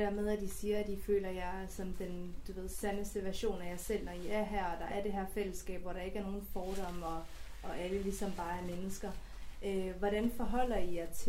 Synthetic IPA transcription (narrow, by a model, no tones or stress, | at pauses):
æɐ̰með̞ˠæd̥isiːɐæd̥ifø̰ːlɐjɑ̈ɪsɒ̽md̥end̥uʋe̝ð̰ˠsænəsd̥əʋæɐɕo̝̰ːnæjɑ̈ɪsel̰nɒiæɐɦæɐ̰ɒ̽d̥ɑ̈æɐd̥e̝ɦɛɐ̰fel̰əsɡ̥ɛ̰ːb̥ʋɒɾ̥ɑ̈e̝ɡ̥æɐno̝ːn̩fɒːɾ̥ɒ̽m̰ɒ̽ | ɒ̽ʔæləlisɒ̽mb̥ɑ̈ːæɐmenəsɡ̥ɐ | ʔøʋɒɾænfɒ̽ɦɒ̽l̰ɐijt͡sʰ